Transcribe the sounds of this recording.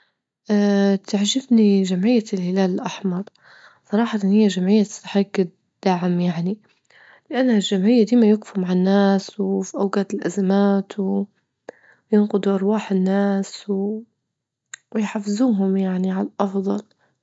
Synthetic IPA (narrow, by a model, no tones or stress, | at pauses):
ʔat̪aʕʒɪbniʒamʕɪjːalhɪlaːlɪlʔaħmɑɾˤ | sˤɑɾˤɑːħɑt̪ɪnːhɪjːaʒamʕɪjːatt̪ːaħaɡːɪd̪ | d̪̥aʕmjaʕni | lɪʔanːhalʒamʕɪjːad̪iːmajɪɡfumaʕanːaːswfiʔawɡaːt̪ɪlʔazamaːt̪w | jɪnqʊd̪uʔɑɾˤwɑːħɪnːaːsww | wjħafːɪzuːɦʊmjaʕniʕalaʔɑfðˤɑl